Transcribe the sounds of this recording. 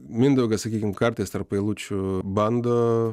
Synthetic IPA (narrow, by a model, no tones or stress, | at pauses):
mʲɪnd̪ɐʊɡɐsɐkʲiːkʲɪmkɐɾʲt̪ʲeːst̪ɐɾpɐɪlˠuːt͡ʃʲʊbɐnd̪oː